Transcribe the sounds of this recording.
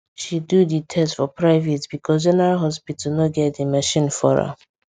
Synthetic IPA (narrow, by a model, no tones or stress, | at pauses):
ʃiduditʰɛstfɔpʰɹaɪvetbikʰɔz̬ɪ̃naɦɔspitlnoɡɛtdimaʃĩnfɔ̰ɹa̰